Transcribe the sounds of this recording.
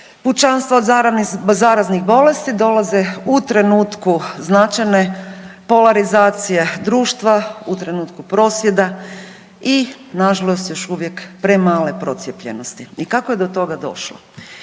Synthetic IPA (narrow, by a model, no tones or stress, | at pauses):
put͡ʃanst̪ʋod̪zaɾzaːɾazniɣbo̞le̞st̪id̪o̞lazeut̪ɾe̞nuːt̪kuznat͡ʃajne̞po̞laɾizaːt̪sije̞d̪ɾuːʃt̪ʋaut̪ɾe̞nuːt̪kupɾo̞ːsʋje̞d̪a | i | naʒalˠo̞st̪jo̞ʃuʋje̞kpɾe̞maːle̞pɾo̞t̪sjepʎeno̞st̪iikako̞je̞d̪ot̪o̞ɡad̪o̞̰ʃlo̰